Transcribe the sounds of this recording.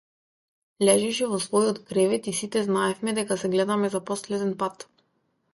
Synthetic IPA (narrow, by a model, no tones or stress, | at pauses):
lɛʒɛʃɛvɔsvɔjɔt̪kɾɛvɛt̪isit̪ɛznaɛfmɛd̪ɛkasɛɡlɛd̪amɛzapɔslɛd̪ɛnpat̪